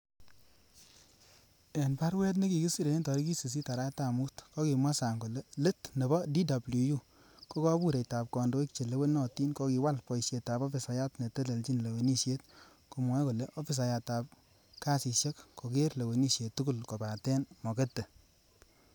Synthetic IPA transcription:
e˨npa˦ɾwɛ˦t̬ne˦ki˨ki˦si˨ɾe˨˦ntɔ˨ɾi˦ki˦si˨s̬i˦ta˨ɾa˦ta˨mu˦tkɔ˦ki˨ma˦sa˨ŋko˨le˦le˦tne˨bɔ˦di˦da˨blu˨ju˦ | ko˦kɔ˦bu˦ɾe˨ta˨p̚kɔ˨ndo˦i˦k̚t͡ʃe˨le˦we˦nɔ˦˨ti˦nkɔ˦ki˨wa˦lpɔ˨jsje˨tːa˨pɔ˦fi˨sa˨ja˦tne˨te˦le˨lt͡ʃi˦nle˨we˨ni˦ʃje˦t̚ | ko˨mɔ˦ko˨le˦ʔɔ˦fi˦s̬a˨ja˨ta˨p̚ | ka˦si˨ʃje˦kko˨ke˦ɾle˨we˨ni˦ʃje˨tːu˦ku˦lkɔ˨ba˨tɛ˦nmɔ˨ke˦tːe˨

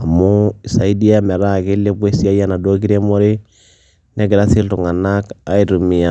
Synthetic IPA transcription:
a˨mu˦i˨sa˨i˦di˦a˦mɛ˨ɾa˦˨kɪ˦lːe˦be˦si˦a˦ja˦na˨do˦ki˦ɾe˦mɔ˦ɾɪ˦ | nɛ˦ɡɪ˨ɾa˦si˦ltʊ˨ŋa˨na˦ka˦i˨ɾu˨mi˨a˨

